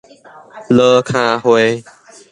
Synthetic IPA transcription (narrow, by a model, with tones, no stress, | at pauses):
ləː˦kʰãː˧˦ɦwe˦